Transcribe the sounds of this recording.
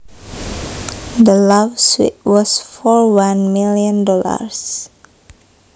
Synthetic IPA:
d̪əlavswḭt̚wɔsfɔɹwãnmiliə̃ndɔla̰ɹs

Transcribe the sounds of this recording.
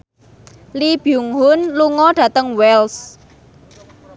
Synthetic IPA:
lib̥juŋɦʊnluŋɔɖ̥ä̤t̪əŋwɛls

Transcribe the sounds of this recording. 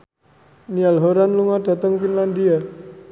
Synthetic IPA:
nialɦoɾanluŋad̥a̤t̪əŋfinland̪ia

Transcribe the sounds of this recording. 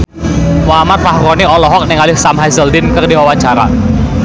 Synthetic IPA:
wamat̪̚fahɾɔniɔlɔɦɔk̚nɛŋalɪhsamɦajzəldɪnkərdiwawaɲt͡ʃaɾa̰

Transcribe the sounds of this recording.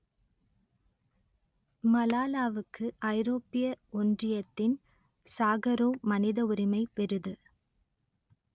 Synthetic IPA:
mɐlaːlaːʋɯkːɯʔɐɪɾoːpːɪjɐɔndrɪjɐt̪ːɪn | saːɣɐɾoːmɐnɪðɐʊɾɪmɐɪpɛɾɯðɯ

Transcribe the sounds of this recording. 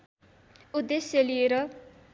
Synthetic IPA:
ud̪eselieɾʌ

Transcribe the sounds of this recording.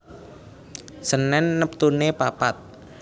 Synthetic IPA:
sənɛnːəp̚t̪unepapat̪̚

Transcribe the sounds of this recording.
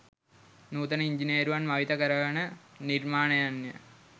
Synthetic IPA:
nuːt̪ɐniɲd͡ʒiniːɾuʋɐnmɐʋit̪ɐkəɾəɭɐnəniɾmaːnɐjanːjə̰

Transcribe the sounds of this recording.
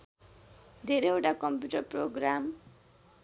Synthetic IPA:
d̪ʱeɾeewʈakʌmpjuʈʌrproɡɾam

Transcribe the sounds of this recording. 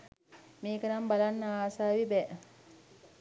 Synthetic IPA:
meːkənambalanːəaːsaːʋibɛː

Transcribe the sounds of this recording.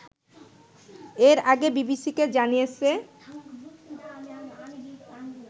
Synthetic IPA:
eɾaɡebibisiked͡ʑanijet͡ɕʰe

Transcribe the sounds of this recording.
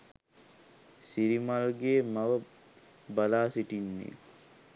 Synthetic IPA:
siɾimalɡeːmaʋə | balaːsiʈinːḛ

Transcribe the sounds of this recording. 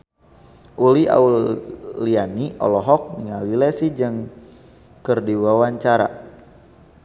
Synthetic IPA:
ʔulia̰ulianiɔ̰lɔɦɔk̚niŋawilɛsid͡ʒɨŋ | kərdiwawaɲt͡ʃaɾa̰

